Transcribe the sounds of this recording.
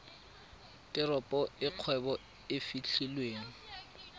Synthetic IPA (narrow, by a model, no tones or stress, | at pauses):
tʼɪɾɔpʼɔɪq͡χʰwɛbɔ | ɪfit͡ɬʰilweːŋ̩